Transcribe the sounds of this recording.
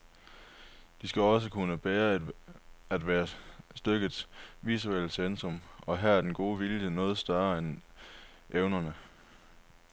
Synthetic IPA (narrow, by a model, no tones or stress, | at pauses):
d̥isɡ̥æɒ̽s̬əkʰunəb̥eːɐ | æd̥ʋæːɐsd̥øɡ̥ə̥sʋisuel̰̥sensʁɔ̽mɒ̽ɦæɐæɐd̥enɡ̥o̝ːʋiljənɔ̽ːð̞̩ˠsd̥ɶɐɐen | ʔeʊnɐnə